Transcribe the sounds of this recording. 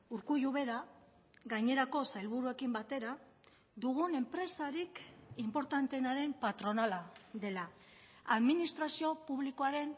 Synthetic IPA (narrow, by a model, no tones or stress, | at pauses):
uɾkujuβe̞ɾa | ɣajɲe̞ɾako̞sajlβuɾue̞kimbat̪e̞ɾa | d̪uɣune̞mpɾe̞saɾikimpo̞ɾt̪ant̪e̞naɾe̞mpat̪ɾo̞nalaðe̞la | aðminist̪ɾasio̞puβlikoaɾe̞n